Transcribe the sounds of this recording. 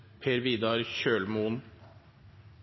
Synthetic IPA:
pʰeːɾʋiːd̪ɑɾçøːlmuːn

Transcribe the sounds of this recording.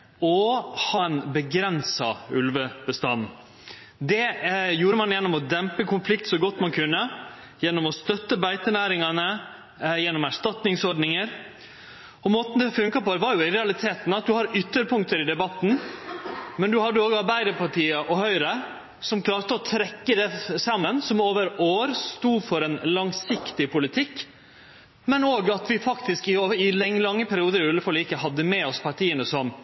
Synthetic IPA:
ɔhɑnbəɡɾɛnsɑ̰ʉ̰lʋəb̥əst̪ɑn̩ | d̪ɛjuːɾəmɑnjɛnːɔmɔd̪ɛmpəkʰʊnflɪk̚t̪sɔɡɔt̪ːmɑnkʰʉnːə | jɛnːɔmɔst̪œt̪ːəbæɪt̪ənæːɾɪŋɑnə | jɛnːɔmæʂt̪ɑt̪nɪŋsɔɖnɪŋəɾ | ɔmoːt̪n̩d̪ɛfʉŋkɑpoːd̪ɛʋɑɾjʊɪɾɛɑlɪt̪ʰeːt̪nɑt̪̚d̪ʉhɑɾʏt̪ːəɾpʰʊŋkt̪əɾɪd̪ɛbɑt̪ːn̩ | mɛnd̪ʉhɑd̪ːəoːɡəɑɾbæɪd̪əɾpɑʈiːəʔɔhœʏɾə | sɔmkʰlɑːɾʈ̪əɔt̪ʰɾɛkːəd̪ɛsɑmːənsɔmoːʋəɾoːɾst̪uːfɔɾɛnlɑŋsɪkt̪ɪpʊlɪt̪ʰɪkː | mɛnoːɡɑt̪ʋɪfɑkt̪ɪskɪɪlɛŋlɑŋːəpʰæɾɪuːd̪əɾɪɛləfɔliːɪkəɦɑd̪ːəmɛɔspʰɑʈiːənəsɔm

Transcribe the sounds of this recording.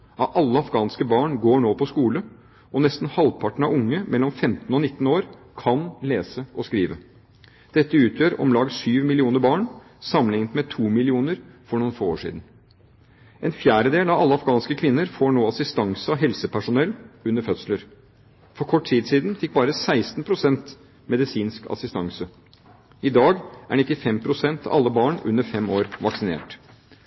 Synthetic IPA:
ɑʔɑlːəɑfɡɑːnskəbɑːɳɡoːɳoːpʰɔskuːlə | ɔnɛst̪n̩hɑlpʰɑʈɳ̩ɑʋʊŋːəmʔɛlːɔmfɛmt̪n̩ɔnɪt̪ːn̩oːɾ | kʰɑnleːsəʔɔskɾiːʋə | d̪̥ɛt̪ːəʉːt̪ʰjøːɾɔ̰mlɑːɡsyːʋmɪlɪuːnəɾbɑːɳ | sɑmːənɪŋnt̪mɛt̪ʰuːmɪlɪuːnəɾfɔɳuːnfoːoːʂḭd̪n̩ | ɛnfjæːɾəd̪eːlɑʋɑlːɑfɡɑːnskəkʰʋɪnːəɾfoːɳoːɑsɪst̪ɑŋsəɑɦɛlsəpʰæʂʊnɛlːʉnːəɾfœt̪sləɾ | fɔɾkʰɔʈːtʰiːd̪siːd̪nfɪk̚bɑːɾəsæɪst̪n̩pʰɾʊsɛnt̪ | mɛd̪ɪsiːnskɑ̰sɪst̪ɑŋsə | ɪd̪ɑːɡʔæ̰ɳɪt̪ːɪfɛmpʰɾʊsɛnt̪ɑ̰ʔɑlːəbɑːɳʉ̰nːəɾfɛmoːɾʋɑksɪnḛːʈ

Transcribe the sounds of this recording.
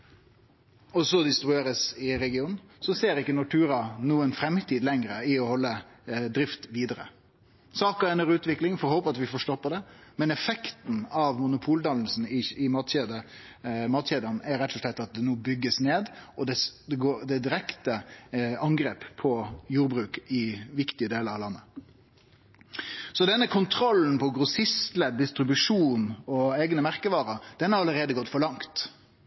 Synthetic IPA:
ɔsɔd̪ɪst̪ɾʉeːɾəsɪɾɛɡɪuːnn̩ | sɔseːɾɪkːənɔʈʰʉːɾɑnuːənfɾɛmt̪ʰiːd̪lɛŋɾəɪɔhɔlːəd̪ɾɪft̪ʋiːd̪əɾə̰ | sɑːkəɛnɔɾʉːt̪ʋɪklɪŋfɔɾhɔːpəɑt̪ʋɪfɔʂt̪oːpːəd̪ɛmɛnɛfɛkt̪nɑʋmʊnʊpʰuːld̪ɑln̩sn̩ɪɪmɑːt̪ɕeːd̪ə | mɑːt̪ɕeːd̪ənæɾɾɛt̪ːʊslɛt̪ːɑt̪̚d̪ɛnuːbʏɡːəsneːd̪ʔɔd̪ɛd̪ɛɡoːd̪ɛd̪ɪɾɛkt̪əɑŋɡɾeːppʰɔjuːɾbɾʉːkɪʋɪkt̪ɪəd̪eːləɾɑʋlɑnːə | sɔd̪ɛnːəkʰʊnt̪ʰɾɔlːn̩pɔɡɾʊsɪst̪lɛd̪ːɪst̪ɾɪbʉʂuːnɔeːɡnəmæɾkəʋɑːɾəd̪̥ɛnhɑɾɑlːəɾeːd̪əɡɔt̪ːfɔɾɭɑŋt̪

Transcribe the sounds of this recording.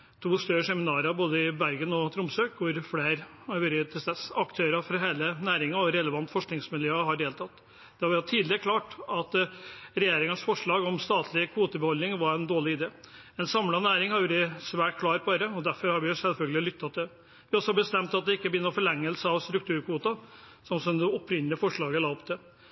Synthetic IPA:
t̪ʰuːst̪œɾʂɛmɪnɑːɾɑboːd̪əɪbæɾɡənɔt̪ʰɾʊmsøːkʋʊɾfleːɾ | ɑɾʋøɾət̪ʰɪlst̪ɛsɑkt̪ʰøːɾɑfɾɑɦeːlənæːɾɪŋɑɔɾɛləʋɑnt̪ːfɔʂknɪŋsmɪljøːɦɑɖeːlt̪ʰɑt̪ː | d̪̥ɛhɑɾʋɛɾɑt̪ʰiːd̪lɪəkʰlɑːʈɑt̪ɾɛjeːɾɪŋənsfɔʂɭɑːɡɔmst̪ɑːt̪ʰlɪkʰʋuːt̪əbɛhɔlnɪŋʋɑɾɛnd̪oːɭɪɪd̪eː | ɛnsɑmlɑnæːɾɪŋhɑɾʋuɾəsʋæːʈkʰlɑːɾbɑɾəɔd̪æɾfɔɾhɑɾʋɪjʊsɛlfœlɡəlɪlʏt̪ʰːɑt̪̚d̪ɛ | ʋɪɔsːɔhɑbəst̪ɛmt̪ɑt̪̚d̪ɛɪkːəbjʏnːəɾɔfɔɭɛŋːəlsəɑʋst̪ɾʉk̚t̪ʰʉːɾkʰuːt̪ɑ | sɔmsɔmd̪ɛɔpʰɾɪnəlɪəfɔʂɭɑːɡəlɑːɔpt̪ʰɛ

